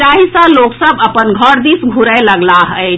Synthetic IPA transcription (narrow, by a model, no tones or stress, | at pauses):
aːɦisaloːksəbɐpənɡʱɔɾd̪isɡʱuɾəlɐɡlaɦɛe